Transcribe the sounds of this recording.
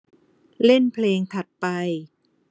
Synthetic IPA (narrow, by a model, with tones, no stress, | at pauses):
le˥˩npʰleː˧ŋt̪ʰa˨˩t̪̚pa˧j